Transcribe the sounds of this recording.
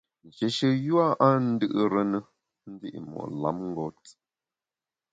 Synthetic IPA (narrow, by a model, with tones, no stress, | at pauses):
n̩˨d͡ʒe˨ʃə˨ju˦a˦ʔa˦n̩˦dɨ˦ʔɨ˦ɾə˦nə˦ | n̩˦di˦ʔmɔ̰˨ʔla̰˨˦mŋ˦ɡɔ˦t